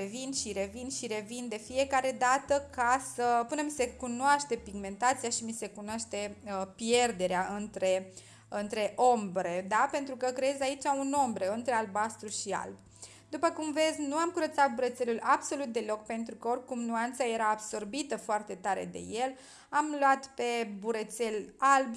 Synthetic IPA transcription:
evinʃiɾe̞vinʃiɾe̞vind̪e̞fie̞kaɾe̞d̪at̪əkasəpunemise̞kunowaʃt̪e̞piɡme̞nt̪at̪sijaʃimise̞kunoaʃt̪e̞əpije̞rd̪e̞ɾeaʔɨnt̪ɾe̞ | ɨnt̪ɾe̞ʔo̞mbɾe̞d̪ape̞nt̪ɾukəkɾejezait͡ʃauno̞mbɾeɨnt̪ɾe̞albast̪ɾuʃia̰lb | d̪upəkumve̞dzʲnuamkuɾət̪sat̪̚buɾet̪se̞lulabso̞lut̪̚d̪e̞lo̞kpe̞nt̪ɾukəo̞rʲkumnuant̪saje̞ɾaːbso̞rbit̪əfoart̪e̞t̪aɾe̞̰d̪e̞̰je̞l | amlwat̪pe̞buɾet̪se̞lalb

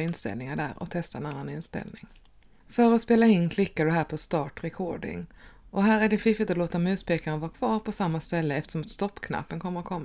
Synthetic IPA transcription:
ɪnst̪ɛ̰lnɪŋaɖæ̰ːɾɔ̰t̪ʰɛst̪aɛnanːanɪnst̪ɛ̰lnɪŋ | fœɾɔspeːlaɪnkʰlɪkːaɖɵɦæːɾpʰɔst̪ɑːʈɾɛkʰoːɖɪ̰ŋ | ʔɔɦæːɾæɖɛfɪfɪt̪ɔloːt̪aɔmʉ̟ːt̪pʰeːkaɾənvɑːɾkʰvɑːɾpʰɔsamːast̪ɛlːəɛft̪ə̥ʂɔmat̪st̪ɔpːkʰna̰pːənkʰɔmːəɾɔkʰɔmːa

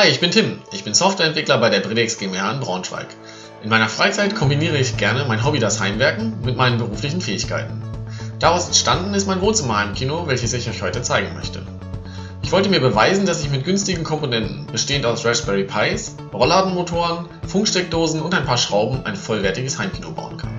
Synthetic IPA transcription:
haɪɪçb̥ɪntʰɪmʔɪçb̥ɪnsɔftv̥ɛɐɛntv̥ɪklɐbaɪɾeːɐbʁedɛksɡ̥emaːɪnbʁa̰ʊ̃nʃv̥a̰ɪk | ʔɪnmaɪnɐfʁ̥aɪt͡saɪtkʰɔmbiniːʁ̞əɪçɡ̥ɛɐnəmaɪnɦɔbidashaɪmvɛɐkŋ̩mɪt̚maɪnənbəʁuːflɪçn̩fɛːɪçkʰa̰ɪtn̩d̥aʁaʊsɛntʃtandn̩ɪst̚maɪnvoːnt͡sɪmaɪmkʰiːnovɛlçəsɪçaçhɔʏtət͡saɪɡŋ̩mœ̰çtə̰ | ʔɪçv̥ɔltəmiːɐbəvaɪzn̩dasɪçmɪt̚ɡ̥ʏnstɪɡŋ̩kʰɔmponɛntn̩b̥əʃteːəntaʊsd̥ʁɛʃb̥ɛʁipʰaɪs | ʁɔlaːdn̩motʰoːʁən | fʊŋkʃtɛk̚d̥oːzn̩ʊntaɪnpʰaːɐʃʁ̥aʊbm̩ʔa̰ɪnfɔlvɛɐtɪɡəshaɪmkʰiːnoba̰ʊənkʰa̰n

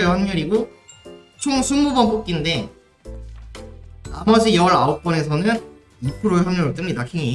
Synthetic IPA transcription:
ehwaɲuɾiɡo | t͡ɕʰoŋsʰummubʌnp͈ok̚k͈inde̞ | amʌd͡ʑijʌɾaok̚k͈ʌne̞sʰʌnɯn | ipʰɯɾoehamɲuɾɯɭt͈ɯmɲidakʰeŋi

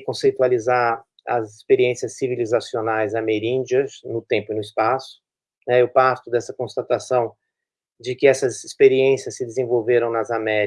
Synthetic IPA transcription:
kõsejt̪ualiza | ɐ̰zɪspeɾiẽsiɐsːivilizasionajzameɾĩnd͡ʒiɐznʊt̪ẽmpʊinʊɪspasʊ̥ | nɛewpaɾt̪ʊd̪ɛsɐkõst̪at̪asɐ̃w̃ | d͡ʒɪkɪɛsɐzispeɾiẽsiɐsːɪd̪ezẽvowveɾɐ̃w̃nɐzamɛɾ

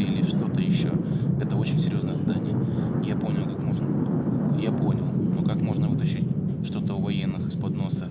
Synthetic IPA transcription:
ɪlʲɪʂt̪o̞t̪əjɪɕːo̞̰ɛt̪əo̞t͡ɕɪnʲsʲɪɾʲjoznəjəzɐd̪anʲɪ̰jəjapo̞mnʲɪlˠkakmo̞ʐnəjapo̞nʲɪlˠnokakmo̞ʐnəvɨt̪əɕːɪt̚ʲʂt̪o̞t̪əʊvɐjenːɨxɨ̥spɐd̪no̞sə

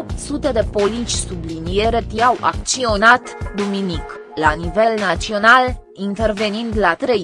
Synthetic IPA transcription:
op̚t̪sut̪e̞d̪e̞po̞lit͡ʃʲsublinijeɾet̪iawʔa̰k̪t͡ʃio̞nat̪d̪uminik | lanive̞lnat͡ʃio̞nal | int̪e̞rve̞nind̪lat̪ɾe̞

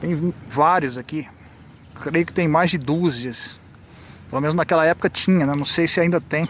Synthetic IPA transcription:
t̪ẽj̃vaɾjʊzaki | kɾejʊkɪ̥t̪ẽj̃majzd͡ʒɪd̪uziɐs | pelomẽnʊznakɛlɐɛpo̥kɐt͡ʃĩɲɐnɛnɐ̃w̃sejsɪaĩnd̪ɐt̪ẽj̃

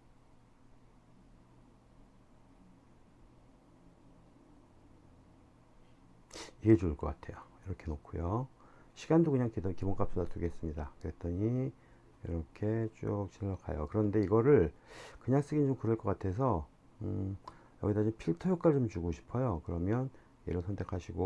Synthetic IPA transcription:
iɡe̞t͡ɕuɯɭk͈ʌkatʰe̞jo | iɾʌkʰe̞nokʰujoɕʰiɡandokɯɲaŋkidkibonk͈ap̚s͈udatʰuɡes͈ɯmɲidakɯɾe̞t̚t͈ʌɲi | jḭɾʌkʰe̞t͡ɕ͈ok̚t͡ɕinɯʌkʰa̰jo̰kɯɾʌnde̞iɡʌɾɯɭkɯɲaŋs͈ɯɡind͡ʑomkɯɾʌɭk͈ʌk͈atʰe̞s̬ʰʌ | ɯ | jʌ̰ɡidat͡ɕompʰiɭtʰʌjok͈aɭt͡ɕomt͡ɕuɡoɕʰi̥pʰʌjokɯɾʌmjʌn | jḛɾɯɭsʰʌntʰe̞kʰaɕʰiɡo

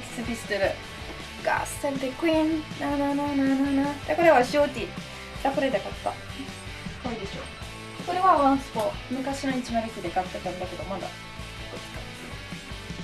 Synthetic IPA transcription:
sɨbʲisɨ̥t̪ɨɾɯ | ɡa̰st̪aɾɯd̪ekɯĩnnanananananad̪akoɾe̞βaɕiot̪ʲi | d̪̥akoɾe̞d̪ekat̪ːa | koid̪e̞ɕo̞̰ː | ko̞ɾe̞βaβãɰ̃sɨ̥poːmɯ̟kaɕino̞it͡ɕimaɾɯkid̪ekat̪ːak̪aɯ̃nd̪ake̞d̪o̞mad̪a̰ | d̪esɨ̥kad̪esɨ

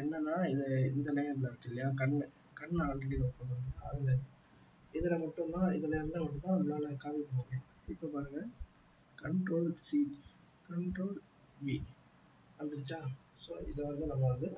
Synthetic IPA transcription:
ɛnːɐnːaːɪðɐɪnd̪ɐlɐjɐɾlaːkːɪlːɐjaːkɐɳː | kɐɳːaːlɐɽinoːkːɐnɐndɯa̰ːðɪlɐ | ɪðɪlɐmɐʈːʊ̃mt̪ãːɪðɯlɐɪɾɯnd̪aɐmɐʈːɯt̪ːãːɐðɐlaːlɐkaːʋipːɐɽɯŋɡẽ | ɪpːopaːɾɯŋɡɐ | kɐɳʈɾoːlsi | kɐɳʈɾoːl | ʋi | ʋɐnd̪ɯɾt͡ʃːãː | soːɪ̰ðɐʋɐnd̪ɯnɐmːɐʋɐnd̪ɯ

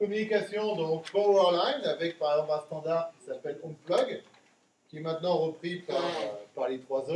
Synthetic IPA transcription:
kɔmynikasjɔ̃d̪ɔ̃kpɔɛʁlajnavɛk̚paʁɛɡzɑ̃plɛ̃st̪ɑ̃d̪aʁkʲi̥sapɛlɔmflɔɡ | kʲiɛmɛ̃t̪nɑ̃ʁəpχipaʁøpaʁlet̪χwazo

